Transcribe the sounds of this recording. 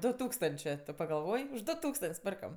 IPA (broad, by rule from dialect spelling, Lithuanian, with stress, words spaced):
ˈdʊ ˈtuːkstɐnʲt͡ʃʲeː tʊ pɐɡɐlˠˈʋoːj ʊʃ ˈdʊ ˈtuːkstɐnʲtʲsʲ ˈpʲɪrkɐm